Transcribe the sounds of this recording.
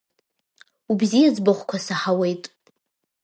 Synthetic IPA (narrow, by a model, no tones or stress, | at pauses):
ubzijad͡zbɨχʷkʷʰasaħawe̞jtʼ